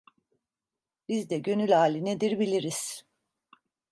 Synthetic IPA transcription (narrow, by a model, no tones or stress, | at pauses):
b̥izd̪ɛɟø̞nylʲhaːlʲined̪iɾbilʲiɾiz̥